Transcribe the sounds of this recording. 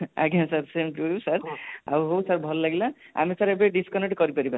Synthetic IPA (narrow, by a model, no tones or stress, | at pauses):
a̰ɡʱãsaɾsemʈuɾusaɾa̰uɦowsaɾbʱɔlːaɡilaa̰misaɾebeɖiskɔneʈkɔɾipaɾiba